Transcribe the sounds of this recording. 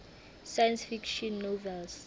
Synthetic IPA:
sajansfikʃɔnːovɛls

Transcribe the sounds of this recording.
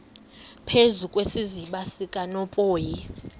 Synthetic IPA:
pʰezukʼwesiziɓasikʼanɔpʼoːji

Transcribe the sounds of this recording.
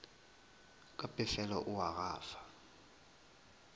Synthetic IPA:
kʼapʼɛsɛlɔʔuwaɣaːfḁ

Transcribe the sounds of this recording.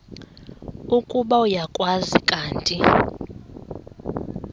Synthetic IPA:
ukʼuɓaujakʼwazikʼaːntʼi

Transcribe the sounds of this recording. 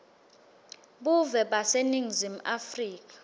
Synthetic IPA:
ɓuvɛɓaseniŋzim̩afriːk̬ʼḁ

